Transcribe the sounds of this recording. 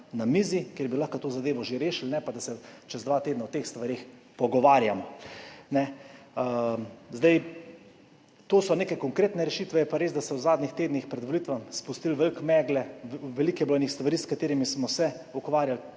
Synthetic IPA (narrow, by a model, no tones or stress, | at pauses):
namiːzikjeːɾbilaxkat̪oːzad̪eːʋɔʒeɾeːʃilnɛpad̪asɛt͡ʃɛzd̪ʋaːt̪eːd̪nawt̪eːxst̪ʋaɾex | pɔɡɔʋaːɾjamɔnɛ | zd̪aj | t̪oːsɔneːkɛjkɔŋkɾeːt̪nɛɾɛʃit̪ʋɛjɛpaɾeːzd̪asɛwzaːd̪nʲixt̪eːd̪nixpɾɛd̪ʋɔlit̪ʋamspust̪ilʋɛlkmɛːɡlɛʋɛliːkɛbɔjnixst̪ʋaɾiːskat̪eːɾimismɔsɛukʋaːɾjal